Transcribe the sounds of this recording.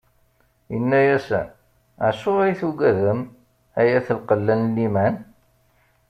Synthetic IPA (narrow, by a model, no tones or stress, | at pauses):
jənːæjæsæ̰n | əʕsʊʁæjθuɡæðəm | æjæθəlqəlːænlːimæn